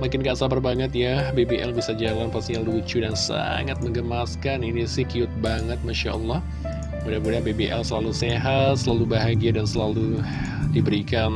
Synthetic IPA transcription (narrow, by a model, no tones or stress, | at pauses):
makɪnɡaʔsapərbaŋət̪̚jabebeʔɛlbisad͡ʒalanpast̪iɲalut͡ʃudansa̰ŋat̪̚məŋɡəmaskaninisɪhkiʊt̪̚baŋət̪̚maʃaʔɔlːɔh | budabudabebeʔɛlsəlaluseɦat̪̚səlalubaɦaɡiadansəlalu | dibəɾikan